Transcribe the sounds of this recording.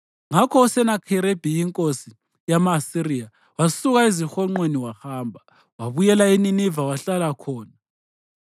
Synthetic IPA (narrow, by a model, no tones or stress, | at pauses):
ŋakʰɔusɛnakʰiɾeb̥ʱijiŋkʼosi | jamasiɾia | wasuɣaezixɔŋ͡ǃweniwahaːmbʱa | waβujɛlaininivawaɬalakʰɔːna